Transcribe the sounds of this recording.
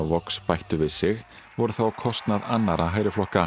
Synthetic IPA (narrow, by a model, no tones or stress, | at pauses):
vɔkspajht̪ʏvɪðsɪɣ | vɔɾʏθawakʰɔst̪naðanːaɾaɦaːjɾɪflɔhka